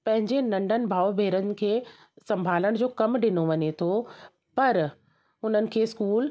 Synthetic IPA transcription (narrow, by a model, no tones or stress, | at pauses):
pɐ̃ɦɪ̃ɲd͡ʑenɐ̃ɳɖʱənɪ̆bʱaːobʱeːɾənɪ̆kʰeː | sɐ̃mbʱaːləɽ̃d͡ʑoːkɐmɗɪnoʋɐɲet̪ʰo | pɐɾ | ʊn̤ənɪ̆kʰeːskuːl